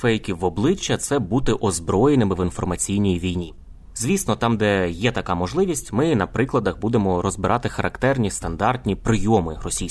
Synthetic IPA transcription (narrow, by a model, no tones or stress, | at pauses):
fɛjkʲiwɔblˠɪt͡ʃːɐt̪sɛbut̪ɪʔɔzbɾɔjenɪmɪʋinfɔrmɐt͡sʲijnʲijiʋʲijnʲi | z̥ʲʋʲisnɔt̪ɑmd̪ɛjɛt̪ɐkɑmɔʒlˠɪʋʲisʲtʲmɪnɐpɾɪklˠɐd̪ɐxbud̪emɔɾɔzbɪɾʔɑt̪ɪxɐɾʔɐkt̪ɛrnʲist̪ɐnd̪ɑrt̪ʲnʲipɾɪjɔmɪrɔsʲij